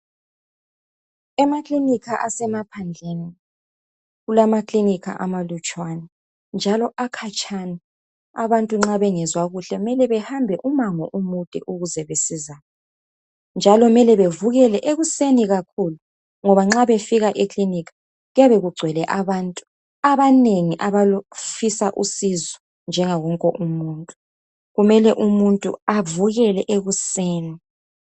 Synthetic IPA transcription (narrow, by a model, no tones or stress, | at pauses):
ɛmaklinikʰaʔasɛmapʰand͡ɮʱeni | ɣulamaklinikʰa̰ʔamalut͡ʃʼwanɛ | nd͡ʒʱalɔʔakʰat͡ʃʼʰani | aβantʼuŋ͡ǁaβɛŋɛzwaɣuɬɛumɛlɛβɛhambʱɛʔumaŋɔʔumutʼɛ̰ʔuɣuzɛβesizajɔ | nd͡ʒʱalɔmɛlɛβevuɣɛlɛʔeɣuseniɣakʰulu | ŋɔβaŋ͡ǁaβefiɣaʔikʰʼlinikḁ | ɣujaβeɣuɡ͡ǀʱwɛlɛʔaβaːntʼu | aβaneŋiʔaβafisaʔusizɔ | nd͡ʒʱɛŋaɣɔŋkʼɔʔumuːntʼu̥ | ɣumɛlɛʔumuntʼṵavuɣɛlɛʔeɣuseːni